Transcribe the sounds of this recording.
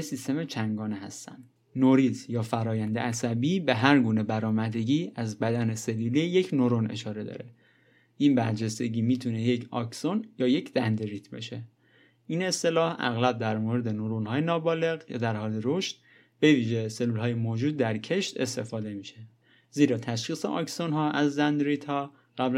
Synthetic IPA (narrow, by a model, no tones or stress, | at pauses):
esist̪e̞met͡ʃʰæŋɡɒːneɦæst̪æ̰nd̪ | noɾizjɒːfæɾɒːjænd̪ḛʔæsæbiːbe̞ɦæɾɡuːne̞bæɾɒːmæd̪e̞ɟiːæzbæd̪æne̞se̞lːuːlije̞cʰnoɾone̞̰ʃɒːɾe̞d̪ɒ̰ːɾe | ʔinbæɾd͡ʒe̞st̪e̞ɟiːmiːt̪ʰune̞je̞cʰɒ̰ksonjɒːje̞cʰd̪ænd̪eɾiːt̪ʰbḛʃe̞ | iːne̞st̪e̞lɒːhæ̰ɣlæb̚d̪æɾmoɾe̞d̪e̞noɾonhɒːjenɒːbɒːle̞ɣjɒ̰ːd̪æɾhɒːleɾoʃt̪̚ | b̥e̞viːʒe̞selːuːlɦɒːjemoːd͡ʒuːd̪̚ːæɾcʰe̞ʃt̪e̞st̪e̞̰fɒːd̪e̞miːʃe | ziːɾɒːt̪ʰæʃχiːsḛʔɒ̰ːksonɦɒːʔæzzænd̪ɾit̪hɒː | ɣ̥æbl